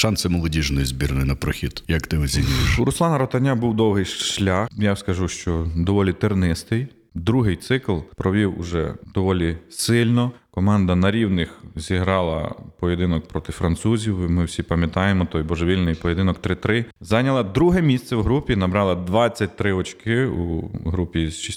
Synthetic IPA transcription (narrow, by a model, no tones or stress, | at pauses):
ʃɑnsɪmɔlˠɔdʲiʒnɔjizʲbʲirnɔjʊnɐpɾɔxʲid̪jɐkt̪ɪɔzʲinʲujɪʃɾʊsˠɑnɐɾɔt̪ɐnʲabuwd̪ɔwɦɪjʃʃlʲaxjawskɐʒuʃt͡ʃɔd̪ɔʋɔlʲit̪ɪrnɪst̪ɪj | d̪ɾuɦɪjt̪sɪklˠpɾɔʋʲiwʊ̰ʒɛ̰d̪ɔʋɔlʲisɪlʲnɔkɔmɑnd̪ɐnɐɾʲiwnɪxzʲiɦɾɑlˠɐ̰pɔjed̪ɪnɔk̚pɾɔt̪ɪfɾɐnt̪suzʲiwimɪwsʲipɐmʲjɐt̪ɑjemɔt̪ɔjbɔʒeʋʲilʲnɪjpɔjed̪ɪnɔk̚t̪ɾɪt̪ɾɪzɑnʲɐlˠɐd̪ɾuɦɛmʲisʲt̪sɛwɦɾupʲinɐbɾɑlˠɐd̪ʋɑt͡sʲːɐt̚ʲt̪ɾɪɔt͡ʃkɪṵɦɾupʲizʃisʲ